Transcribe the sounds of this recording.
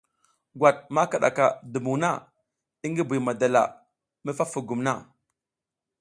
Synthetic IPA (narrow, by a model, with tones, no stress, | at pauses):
ɡwa˨t̚ma˦ka˨ɗa̰˨ka̰˨du˨mu˨na˦ | i˦ŋɡi˦bu˨ma˨da˨la̰˨ | mi˦fa˦fu˨ɡu˨mna˦